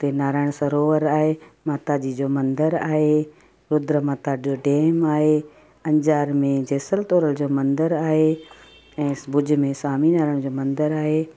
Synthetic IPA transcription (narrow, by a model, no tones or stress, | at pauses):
t̪enaːɾaːɪɽ̃sɐɾoːʋəɾaːɦemaːt̪ad͡ʑiːd͡ʑoːmɐ̃nd̪əɾaːɦe | ɾʊd̪ɾəmaːt̪ad͡ʑoːɖeːmaːɦe | ɐ̃ɲd͡ʑaːɾmẽd͡ʑeːsəlt̪oːɾəld͡ʑoːmɐ̃nd̪əɾaːɦe | ɛ̃ːbʊd͡ʑʱɪ̆mẽsaːminaːɾaɪɽ̃d͡ʑoːmɐ̃nd̪əɾaːɦeː